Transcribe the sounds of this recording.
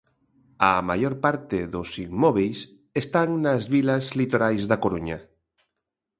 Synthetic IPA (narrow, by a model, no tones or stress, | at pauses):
ɐmajoɾpaɾt̪ɪðʊsimmɔβejs | est̪aŋnazβilɐzlit̪oɾajzðakoɾuɲa